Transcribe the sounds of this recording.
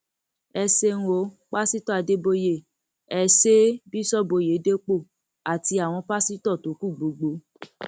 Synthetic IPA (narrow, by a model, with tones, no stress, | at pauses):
ɛ˧se˧ŋ̩̃˨o˨˦ | k͡pa˦si˦tɔ˦˨a˨˧de˦bo˧je˦˨ | ɛ˨se˦bi˦sɔ˦bo˧je˨˦de˦k͡po˦˨ | a˨ti˧˦a˨w̃ɔ̃˧pa˦si˦tɔ˦˨to˨˦ku˦˨ɡ͡bo˨˦ɡ͡bo˨˦